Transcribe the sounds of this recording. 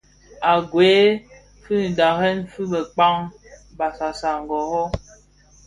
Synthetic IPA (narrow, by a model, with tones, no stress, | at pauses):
a˨ɡweː˨˦ | fʉ˦n̩˨da˨ɦɛ˦nfʉ˦bɛ˨k͡pa˦ŋ | ba˨sa˨sa˨ŋ̩˨ɡɔ˨hɔ˦